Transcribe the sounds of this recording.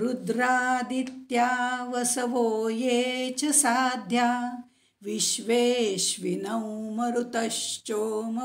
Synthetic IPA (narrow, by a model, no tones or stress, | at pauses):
ɾud̪ɾaːd̪it̪jaːʋɐsɐʋoːjet͡ʃɐsaːd̪ʱja | ʋiʃʋeːʃʋinɐwmɐɾut̪ɐʃt͡ʃoːmɐ